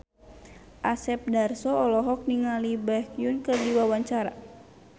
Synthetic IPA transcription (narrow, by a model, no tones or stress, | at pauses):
ʔasɛp̚darsɔɔlɔɦɔk̚niŋalibakjunkərdiwawaɲt͡ʃaɾa̰